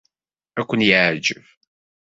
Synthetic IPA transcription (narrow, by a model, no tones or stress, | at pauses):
ækʷːənjəʕd͡ʒəv